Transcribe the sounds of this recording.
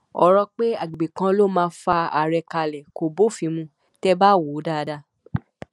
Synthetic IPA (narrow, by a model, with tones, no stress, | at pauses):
ɔ˧ɾɔ˧k͡pe˦a˦˨ɡi˨ɡ͡be˨kã˧lo˦mãː˧˦fa˧a̰˨ɾɛ˧ka˧lɛ˨ko˨bo˦˨fĩ˧˦mũ˧ | tɛ˦ba˦˨wo˨˦da˦˨˧da˧